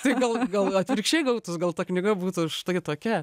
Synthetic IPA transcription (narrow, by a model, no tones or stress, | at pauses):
t̪ɐɪɡɐlˠɡɐlˠɐt̪ʲʋʲɾʲɪkʃʲt͡ʃʲeɪɡɐʊt̪ʊsɡɐlˠt̪ɐknʲɪɡɐbuːt̪ʊʃt̪ɐɪt̪oːkʲɛ